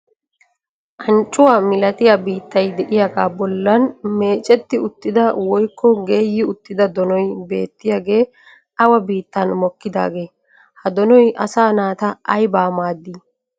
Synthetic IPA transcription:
ʔɐnt͡ʃʼːʊwaːmɪlɐt̪ɪjabiːt̪ːɐjd̪ɛʔɪjaɡaːbɔlːɐnme̞ːt͡ʃʼɛt̪ːɪʊt̪ːɪd̪ɐwɔjkːɔɡe̞ːjːɪʊt̪ːɪd̪ɐd̪ɔnɔjbe̞̰ːt̪ːɪjaɡe̞ː | ɐwɐbiːt̪ːɐnmɔkːɪd̪a̰ːɡeː | hɐd̪ɔnɔjʔɐ̰saːnaːt̪ɐʔɐjbaːmaːd̪ːiː

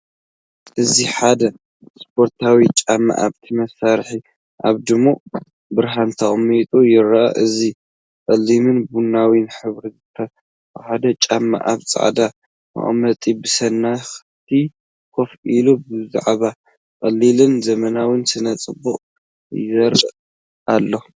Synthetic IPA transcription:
ʔɨziħad̪ɐ | spʰo̞ɾt̪ʰawit͡ʃʼamːa̰ʔa̰βt̪ʰimɐsaɾħi | ʔaβd̪ɨmːo | bɨɾɦant̪ʰaʔumijt̪ʼujɪɾɐʔɐ̰ʔɨzi | kʼɐlːimɨnbunːawinħɨβɾizɨt̪ʰːɐ | ħad̪ɐt͡ʃʼamːa̰ʔa̰βt͡sʼa̰ʕd̪a | a̰ʔʼmɐt̪ʼibɨsɐnːaxɨt̪ʰi | kʰo̞filubɨza̰ʕβa | kʼɐlːilɨnzɐmɐnawɨnsɨnɐt͡sʼɨbːuχʼ | jzɐɾɨ | ʔalːo

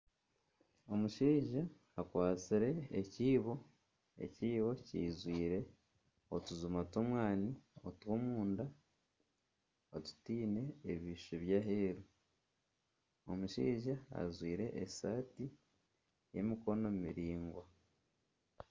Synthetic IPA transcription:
o̞muʃiːʒaː | kwaːt͡siɾe̞ːciːβo̞ | e̞̰ciːβo̞cḭːzwiːɾe̞ | otuzumatomwaːniotwomuːnda | otu̥tiːne̞ːβiːʃuβjaɦeːɾu | omuʃḭːʒaa̰zwiːɾe̞ʔesaːti | je̞̰miko̞no̞mumiɾiːŋɡwa

